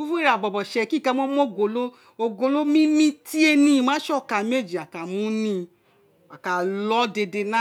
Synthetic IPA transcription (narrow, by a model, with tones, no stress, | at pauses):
u˦fũ˦i˦˨ɾa˨ɡ͡bɔ˨bɔ˨ʃɛ˨˧ki˦˨ka˧˦mɔ˦mɔ̃˦˨ɡo˧lo˦ | o˧ɡo˧lo˦mĩ˦mĩ˧˦ti˦e˧nĩ˧mã˦ʃɔ˦˨ka˧˨˧me˦˨d͡ʒi˨a˨ka˨mũ˨˦nĩ˧ | a˨ka˨lɔ˦de˧de˧nã˦